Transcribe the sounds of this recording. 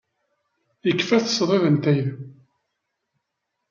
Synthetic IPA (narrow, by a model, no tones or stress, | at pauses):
jəkːfæθə̥sðˤeðənt̪æjð